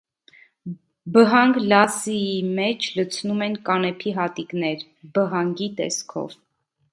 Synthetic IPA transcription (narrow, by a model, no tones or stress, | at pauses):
bəɦɑŋɡlɑsiimɛt͡ʃʰlət͡sʰnumɛnkɑnɛpʰiɦɑt̪iknɛɾ | bəɦɑŋɡit̪ɛ̰skʰɔ̰v